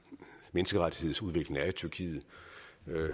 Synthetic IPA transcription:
menəsɡ̥əʁad̥i̥he̝ð̞̰̩ˠsuð̞ˠʋe̝ɡ̥le̝ŋæt͡sʰyɐkʰḭːð̩ˠ

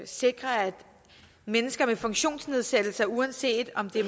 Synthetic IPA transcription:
se̝ɡ̥ʁɐæd̥ | menəsɡ̥ɐmefɔ̽ŋɕo̝̰ːnsne̝ð̞ˠsed̥l̩sɐuænse̝̰ːd̥ɒ̽md̥e̝

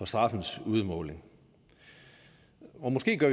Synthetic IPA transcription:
ɒ̽sd̥ʁɑ̈fn̩suð̞ˠmɔ̽ːle̝ŋ | ɒ̽mɒ̽sɡ̥e̝̰ːɡ̥ɶɐʋ

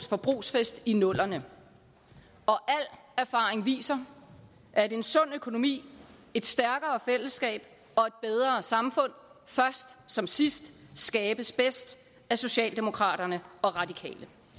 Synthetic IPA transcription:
sfɒ̽b̥ʁṵːsfesd̥inɔ̽l̰ɐnə | ʔɒ̽ʔæl̰ | æɐfɑ̈ːʁeŋʋḭːsɐ | ʔæd̥e̝nsɔ̽n̰økʰo̝no̝mḭː | e̝d̥sd̥æɐɡ̥ɐːfel̰əsɡ̥ɛ̰ːb̥ | ɒ̽e̝d̥̚b̥eð̞ˠʁɐːsɑ̈mfɔ̽n̰fɶɐsd̥sɒ̽msisd̥sɡ̥ɛːb̥əsb̥esd̥ | æso̝ɕɛ̰ːld̥e̝mo̝kʰʁɑ̰̈ːɾ̥ɐnəɒ̽ʁɑ̈d̥ikʰɛ̰ːlə

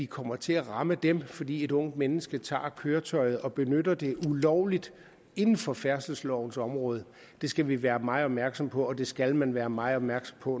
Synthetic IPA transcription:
ʋikʰɒ̽m̰ɐt͡sʰe̝æʁɑ̈məd̥emfɒ̽d̥ḭːe̝ɾɔ̽ŋ̰d̥menəsɡ̥ət͡sʰɑ̰̈ːkʰøːɐt͡sʰɒ̽ɪð̞̩ˠɒ̽b̥e̝nød̥ɐd̥e̝ʔulɒʊlid̥ | e̝nn̩fɒ̽fæɐsl̩slɒʊn̩sɒ̽mʁɔ̽ːð̞ˠ | d̥e̝sɡ̥æʋiʋæːɐmɑ̈ɪɒ̽b̥mæɐɡ̥sɒ̽mpʰɒ̽ɒ̽d̥e̝sɡ̥ælmænʋæːɐmɑ̈ɪɒb̥̚mæɐɡ̥sɒ̽mpʰɒ̽

